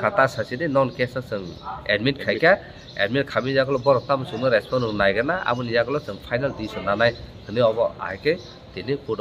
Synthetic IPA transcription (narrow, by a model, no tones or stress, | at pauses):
kʰatasasidinɔnkɛsasɯŋɛ̰dmintkʰajka | ḛdmint̚kʰamijaɡɔlɔbɔɾɔtamɯsɯŋnɯɾɛspʰɔnɯŋnajɡanaa̰bɯnijaɡɔlɔsɯŋpʰajnaldisɔnanajkʰɯnɯɔbɔa̰jkɯ | tinipudɔ